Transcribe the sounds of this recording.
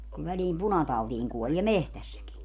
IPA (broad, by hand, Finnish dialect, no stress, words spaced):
ku ʋæliːm punɑtɑutiːŋ kuolie mehtæsːæki